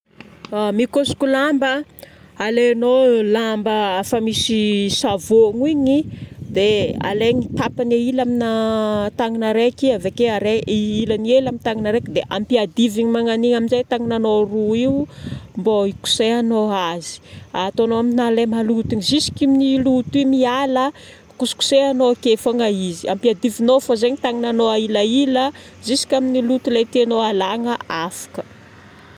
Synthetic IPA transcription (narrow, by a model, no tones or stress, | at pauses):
mikosi̥kulambə | aleanolambəafəmisisavoŋiɲid̪ea̰leɲit̪apanailaminat̪aŋinaɾekiavekeaɾeiilənielamit̪aŋinaɾekd̪eʔampiad̪iviɲimaŋaniŋaminzet̪aŋinanoruiumboiku̥seanoazi̥at̪oanoaminnalemalut̪iɲizisi̥kimnilut̪imialə | kusu̥ku̥seanokefaŋaiziʔa̰mpiad̪ivinofazeɲit̪aŋinanoailailə | zisi̥kʲaminilut̪ulet̪ianoalaŋəafḁkə̥